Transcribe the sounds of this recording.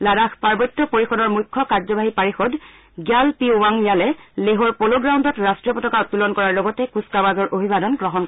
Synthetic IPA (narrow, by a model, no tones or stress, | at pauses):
ladaxpaɹbɔtːɔpoɹixɔdɔɹmujkʰːɔkaɹzɔbʱaɦipaɹixɔd | ɡjalpiwaŋjalɛleɦɔɹpoloɡɹawndɔtɹastɹiɔpɔtɔkaʊtːulɔnkɔɹaɹlɔɡɔtɛkuskawazɔɹʔobʱibadɔnɡɹɔɦɔnkɔ